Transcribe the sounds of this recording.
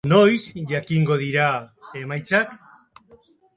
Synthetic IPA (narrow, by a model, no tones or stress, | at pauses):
no̞jsʝakiŋɡo̞ðiɾae̞majt͡sak